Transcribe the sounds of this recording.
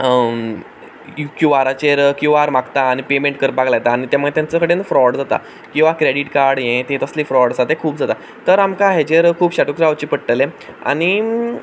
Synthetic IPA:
jukjuʋaɾat͡ɕeɾkjuʋaɾmaɡt̪aːñipemẽɳʈ̚kəɾpaɡlajet̪aːɽ̃it̪jãməet̪jãnt͡səkəɽenəfɾɔɽd͡zat̪a̰ | kĩw̃ʋakɾeɽiʈkaɾɽjẽt̪ẽt̪əslifɾɔɽd͡zat̪ekʰuːpd͡zʱat̪a | t̪əɾamkaɦet͡ɕeɾkʰuːbɕaʈukɾawt͡ɕiːpəɽʈəlẽa̰ɽ̃i

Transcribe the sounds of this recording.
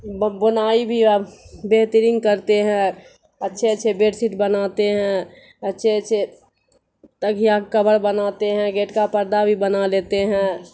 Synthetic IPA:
bənaːibʱibeɦt̪əɾɪ̃ŋɡkəɾt̪eɦɛ̃ | ətːʃʰeətːʃʰebeːʈsɪʈbənaːt̪eɦɛ̃ | ətːʃʰeətːʃʰe | t̪əkijakəbəɾbənat̪eɦɛ̃ɡeːʈkapəɾd̪abʱibənaleːt̪eɦɛ̃

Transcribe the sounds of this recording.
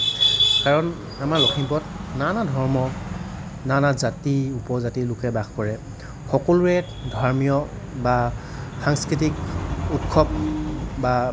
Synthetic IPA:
kaɹɔn | amaɹlɔkʰimpɔtnanadʱɔɹmɔ | nanazatiupɔzatilʊkɛbaxkɔɹɛ | xɔkɔlʊɛ | dʱaɹmijɔ | ba | xaŋskɹitikutkʰɔp̚ba

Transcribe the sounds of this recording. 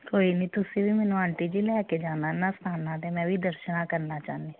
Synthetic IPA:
koːiːniːt̪ʊsĩbʱiːmɛ̃ːnũãːɳʈiːd͡ʒiːlɛːked͡ʒaːnaːnask̪ʰaːnaːt̪emɛ̃ːbʱiːd̪əɾʃənãːkəɾnaːt͡ʃaːneː

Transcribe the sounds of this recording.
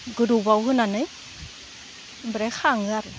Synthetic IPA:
ɡɯɾubawɦɯnanɯj | bɾexʰaŋɯaɾɯ

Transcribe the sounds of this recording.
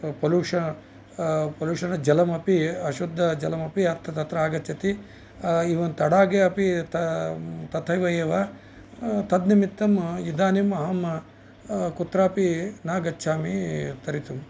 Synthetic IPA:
pɐluːʂɐ | pɐluːʂɐnɐd͡ʒɐlɐmɐpiɐʃud̪ʱːɐd͡ʒɐlɐmɐpiɐt̪ʰːɐt̪ɐt̪ɾɐaːɡɐt͡ʃʰːɐt̪i | iʋɐnt̪ɐɽaːɡeɐpit̪ɐt̪ɐt̪ʰɐjʋɐjeːʋa | t̪ɐd̪nimit̪ːɐmid̪aːnimɐɦɐmɐ | kut̪ɾaːpinaːɡɐt͡ʃːt͡ʃʰaːmit̪ɐɾit̪um

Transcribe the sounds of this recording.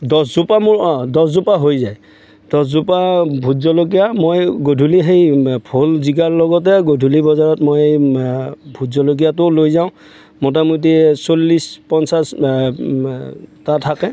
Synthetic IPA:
dɔszupamʊɹɔ̃dɔszupaɦojzaj | d̥ɔszupabʱuzɔlok̬ijamojɡodʱuliɦejpʰolziɡaɹlɔɡɔtɛɡodʱulibɔzaɹɔtmoj | bʱudzɔlok̬ijatʊlojzaʊ̃ | mɔt̬amut̬isolːispɔnsas | tatʰakɛ

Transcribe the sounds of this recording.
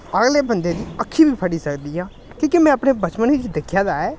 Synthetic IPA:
əɡleːbənd̪eːd̪iːəkʰːiːbʱiːpʰəɽiːsəkd̪iːɦãː | kĩːkɪmɛ̃ːəpneːbət͡ʃmənit͡ʃd̪ekʰːjaːd̪aːɛː

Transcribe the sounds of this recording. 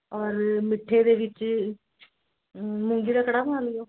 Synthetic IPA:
ɔːɾmɪʈʰːed̪eːʋɪt͡ʃ | mʊŋɡiɾakəɽaːbənaːlijoː

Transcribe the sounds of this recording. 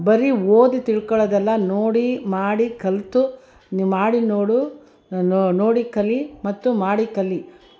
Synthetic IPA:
bɐɾioːd̪it̪iɭkɔɭɐd̪ɛlːɐnoːɽimaːɽikɐlt̪u | nmaːɽinoːɽu | noːɽikɐlimɐt̪ːumaːɽikɐlːi

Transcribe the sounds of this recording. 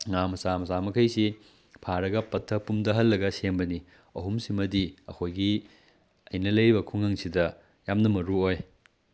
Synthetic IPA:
ŋamɐsamɐsamɐkʰɐjsi | pʰaɾɐɡɐpɐtʰːɐpumdɐɦɐlːɐɡɐsenbɐni | ɐɦumsimɐdiɐ̰kʰojɡi | ɐjnɐlɐjbɐkʰuŋɐŋsidɐ | jamnɐmɐɾuoj

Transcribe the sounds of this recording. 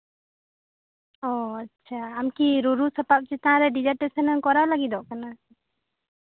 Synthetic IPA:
ɔatːʃt͡ʃʰaːmkiɾuɾusapap̚t͡ʃɛt̪aãɾɛɖid͡ʒəʈɛsɛnɛnkɔɾalaɡid̪ɔʔkana

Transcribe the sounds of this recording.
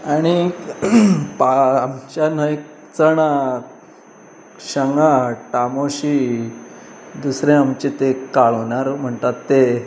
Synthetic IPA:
aɽ̃i | paːmt͡ɕjanəjk | t͡səɳa | ɕəŋɡaʈamoɕi | d̪usɾẽamt͡ɕet̪ekaɭonaɾm̤əɳt̪at̪ːe

